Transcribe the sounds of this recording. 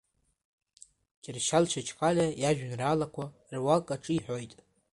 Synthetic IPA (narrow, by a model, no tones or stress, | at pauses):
ɡʲʼɪrʃalʃʰat͡ʃʰʼqʼalʲajaʒᶣnraːlakʷʰa | rwakʼaʈ͡ʂʼɨiħʷᶣo̞jtʼ